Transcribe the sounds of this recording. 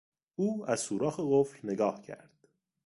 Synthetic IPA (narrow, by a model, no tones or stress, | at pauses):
uːæz̥suːɾɒːxeɣoflneɡɒːhcʰæ̰ɾd̪̥